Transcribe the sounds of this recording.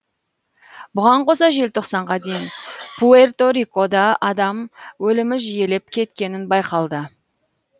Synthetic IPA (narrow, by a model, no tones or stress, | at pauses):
bʊʁɑɴqʰo̞sɑʒe̞lt̪ʰo̞qsɑɴʁɑd̪e̞jɪnpʰuert̪o̞ɾiko̞d̪ɑʔɑd̪ɑmwɵlɪmɪʒije̞lepkʲʰe̞t̪kʲe̞nɪnbɑjqɑlˠd̪ə